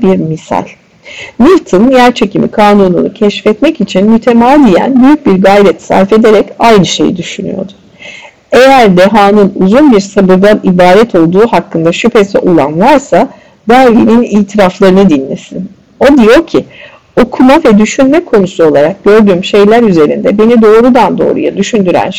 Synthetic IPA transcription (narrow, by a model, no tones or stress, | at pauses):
biɾmisa̰l̥ʲ | nilt̪ʰɯnjæɾt͡ʃʰe̞cʰimḭkʰaːnunṵnṵcʰɛʃfɛt̪mɛcit͡ʃʰinmyt̪ʰe̞maːd̪ijæ̰nbyjyc̚biɾɡajɾɛt̪sa̰ɾfe̞d̪e̞ɾɛcajnɯʃe̞̰jḭd̪yʃy̰ny̰jo̞̰d̪ʊ̥ | e̞jæɾd̪eɦaːnɯnuzunbiɾsabɯɾd̪anibaːɾɛt̪ʰo̞lˠd̪uːhakʰːɯnd̪aʃypʰe̞sɛ̰ʔulˠa̰nvaɾsa | d̪̥æɾvḭniniːt̪ʰiɾaflˠaɾɯnɯd̪inːɛsin | o̞d̪ijo̞cʰi | o̞kʰumavɛd̪yʃynmɛkʰo̞nusuo̞lˠaɾak̚ɟ̥ø̞ɾd̪yːmʃe̞jlʲæɾyze̞ɾḭnd̪ɛbe̞nid̪o̞ːɾud̪and̪o̞̰ːɾṵja̰d̪yʃynd̪yɾæ̰n